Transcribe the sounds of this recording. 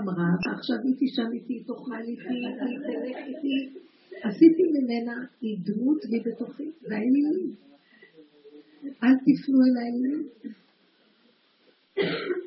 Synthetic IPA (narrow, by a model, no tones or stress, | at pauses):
amʁavaχʃavit̪iʃamit̪ito̞χalitiatiteleχit̪i | asit̪imime̞naid̪mutlibe̞t̪oχiveani | ʔalt̪ifnuelaiin